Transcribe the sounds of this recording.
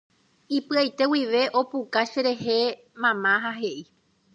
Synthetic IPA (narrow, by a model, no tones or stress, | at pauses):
ipɨajt̪e̞wiʋe̞ʔo̞pukaʃeɾe̞ɦe̞ | mãmãɦaɦe̞ʔi